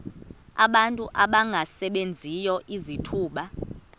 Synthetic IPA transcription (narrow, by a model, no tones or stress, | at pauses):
a̰ɓantʼuʔaɓaŋɡʱasɛɓend͡zʱijɔʔizitʰuːɓa